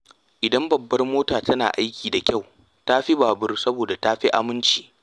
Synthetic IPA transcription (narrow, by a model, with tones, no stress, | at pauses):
ʔɪ˨dɐ˦mbɐ˨bːɐ˦rmoː˦taː˨tɐ˦na̰ː˨ʔa˦jkʲiː˨da˨kʲa˦˨w | ta˦ɸi˦baː˨bʊ˦rsɐ˦boː˨da˨taː˦ɸi˦ʔa˨mɪ˦nt͡ʃi̥ː˨